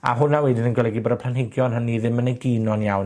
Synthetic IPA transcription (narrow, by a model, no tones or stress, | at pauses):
a̰ɦʊnawɛdinənɡwɛlˠɛɡibɔdəpʰlˠanhɪɡjɔnɦənːiðɪmənəɡinɔnjawn